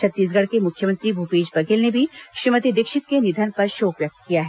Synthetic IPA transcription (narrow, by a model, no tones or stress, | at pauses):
t͡ʃʰɐt̪ːiːs̬ɡɐɽkemʊkʰjəmə̃nt̪ɾibʱupeːd͡ʒpɐɡelnebʱiʃimət̪id̪ɪkʃɪt̪kenɪd̪ʱənpɐɾʃoːpɾɐk̚t̪kijaɦɛ